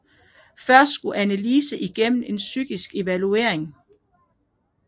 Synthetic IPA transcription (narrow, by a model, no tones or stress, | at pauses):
fɶɐsd̥sɡ̥uʔænæliːsəʔiɡ̥em̰n̩e̝nsyɡ̥isɡ̥e̝ʋælue̝̰ɐe̝ŋ